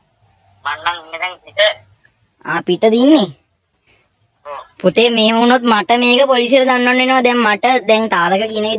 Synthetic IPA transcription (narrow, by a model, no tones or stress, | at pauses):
manːaŋimːed̪ɛŋpiʈə | a̰ːpiʈəd̪inːe | put̪emeːmuːnot̪maʈəmeːkəpoliːsijeʈəd̪anːanːʋenəʋad̪ɛŋmaʈəd̪ɛŋt̪aːɾəkəkiəneke